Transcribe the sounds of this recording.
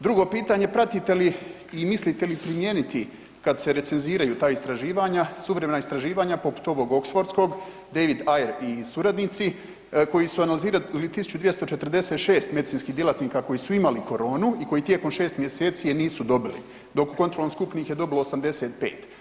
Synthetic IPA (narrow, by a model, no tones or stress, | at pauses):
d̪ɾuɡo̞piːt̪aːɲe̞pɾat̪it̪e̞liː | mislit̪e̞lipɾimje̞ːnit̪i | kad̪se̞ɾe̞t̪se̞nziːɾajuːt̪aːist̪ɾaʒiːʋaːɲasuʋɾemenaist̪ɾaʒiːʋaːɲapo̞pu̥t̪o̞ʋo̞ɡo̞ksfo̞ɾt̪sko̞ɡ | d̪eʋid̪ajeɾisuɾad̪nit̪si | ko̞jisuanaliziːɾalit̪isu̥t͡ɕud̪ʋje̞st̪o̞t͡ʃe̞t̪rɾd̪e̞set̪ʃeːst̪me̞d̪it̪siːnskiːɦd̪jelat̪niːkako̞jisuimaliko̞ɾo̞ːnuiko̞jit̪je̞ko̞mʃe̞ːst̪mjese̞ːt̪sijeniːsud̪o̞bilḭ | d̪o̞kukont̪ɾolomskupniːxjed̪o̞bilo̞ːsamd̪e̞se̞ːt̪̚pe̞̰ːt̪